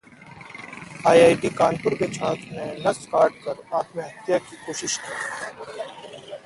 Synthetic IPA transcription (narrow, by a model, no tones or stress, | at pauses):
aːjaːjʈikaːnpʊɾket͡ʃʰaːt̪ʰnẽnɐskaːɾʈ̚kəɾaːt̪mẽɦɐt̪jakikoːʃɪʃkiː